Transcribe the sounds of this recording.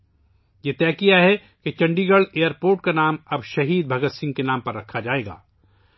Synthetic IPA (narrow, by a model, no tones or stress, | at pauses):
jet̪ɛːkijaɦɛ | ket͡ʃɐ̃ɳɖiɡəɽeːjəɾpoːɾʈ̚kanaːmɐbʃɐɦiːd̪̚bʱɐɡət̪sɪ̃ŋɡ̚kenaːmpɐɾːɐkʰːad͡ʒaːeːɡa̰ː